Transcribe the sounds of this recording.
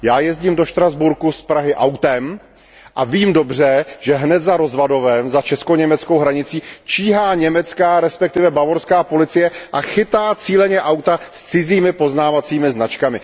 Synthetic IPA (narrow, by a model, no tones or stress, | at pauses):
jaːjɛzɟiːmdoʃt̪ɾazbuɾkuspɾaɦɪʔawt̪ɛm | ʔaviːmdo̞br̝ɛʒɛɦnɛt̪zaɾo̞zvado̞vɛmzat͡ʃɛskoɲɛmɛt͡skowɦɾaɲɪt͡siːt͡ʃiːɦaːɲɛmɛt͡skaːɾɛspɛk̚t̪ɪvɛbavo̞ɾskaːpo̞lɪt͡sɪjɛʔaxɪt̪aːt͡siːlɛɲɛʔawt̪ast͡sɪziːmɪpo̞znaːvat͡siːmɪznat͡ʃkamɪ